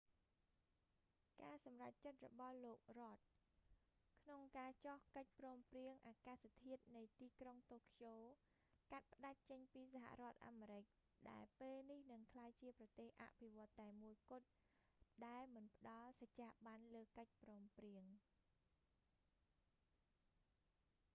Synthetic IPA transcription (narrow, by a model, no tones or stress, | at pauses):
kaːsɑmrac̚t͡ɕət̪̚rɔ̰ɓɑhloːk̚rŏət̪̚ | kʰnoŋkaːt͡ɕohkəc̚prɔːmpriəŋʔaːkaːsat̪ʰiət̪̚nɨjt̪iːkroŋt̪oːkʰjoː | kat̪̚pə̆ɗac̚t͡ɕəɲpiːsaɦa̰ʔrŏət̪̚ʔa̰ːmeːɾɨc̚ | ɗaɛlpeːlnihnɨŋkʰlaːjt͡ɕiəprɑt̪eːhʔa̰ʔpʰiʋŏət̪ːaɛmuəjkʊ̆ət̪̚ | ɗaɛlmɨnpə̆ɗɑlsat͡ɕaːɓanləːkəc̚prɔːmpriəŋ